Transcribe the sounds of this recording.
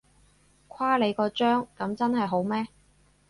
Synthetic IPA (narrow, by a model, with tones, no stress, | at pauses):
kʷʰwaː˥le˨˧jkɔː˧t͡ʃœː˥ŋkɐ˨˥mt͡sɐ˥nɦɐ˨jɦo˨˥wmɛː˥